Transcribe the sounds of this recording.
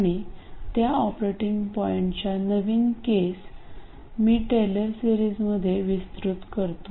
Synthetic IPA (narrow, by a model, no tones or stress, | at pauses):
aɽ̃it̪jaɔpɾeʈiŋɡpɔeɳʈt͡ɕjanəʋiːnkes | miːʈeləɾsiɾiːd͡zməd̪ʱːjeʋist̪ɾut̪kəɾt̪u